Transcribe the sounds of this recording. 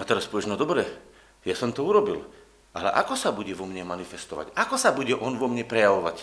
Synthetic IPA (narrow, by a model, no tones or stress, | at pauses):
at̪ɛɾaspɔʋɛʒnɔd̪ɔbɾɛ | jasɔmt̪ɔuɾɔbil | ʔalɛ̰ʔa̰kɔsabuɟɛʋɔmɲɛmanifɛst̪ɔʋa̰ɟakɔsabuɟɛʔɔnʋɔmɲɛpɾɛjaʋɔʋa̰c